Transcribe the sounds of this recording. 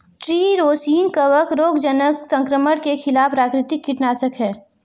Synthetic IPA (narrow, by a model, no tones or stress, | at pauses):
ʈɾiːɾoːsiːnkəʋəkɾoːɡd͡ʒənəksə̃ŋkɾəməɽkekʰɪlaːfʰɾaːkɾɪt̪ɪkːɪʈnaːsəkɦɛː